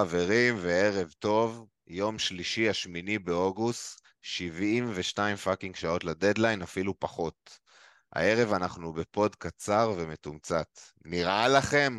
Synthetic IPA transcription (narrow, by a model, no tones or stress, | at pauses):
ave̞ʁimvee̞ʁe̞vto̞v | jo̞mʃliʃiaʃminibeo̞ɡust | ʃivimveʃnaimfakiŋɡʃao̞tlad̪e̞d̪lajnafilupaχo̞t̪ | a̰e̞ʁe̞vanaχnube̞po̞dkat͡saʁveme̞tumt͡sat̪ | niʁalaχe̞m